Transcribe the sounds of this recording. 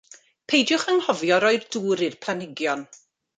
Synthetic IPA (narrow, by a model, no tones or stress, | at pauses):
pʰejdjʊχəŋhɔvjɔɾɔɨrduːɾɨrpʰlˠanɪɡjɔn